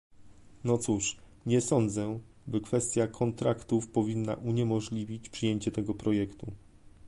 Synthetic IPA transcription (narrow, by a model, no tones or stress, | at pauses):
nɔt̪suʂ | ɲɛsɔnd̪zɛ | bɘkfɛst̪ʲjakʰɔnt̪ɾakt̪ufpɔvʲinːa̰ʔuɲɛmɔʐlʲivʲit͡ɕpʂɘjeɲt͡ɕɛt̪ɛɡɔpɾɔjɛkt̪u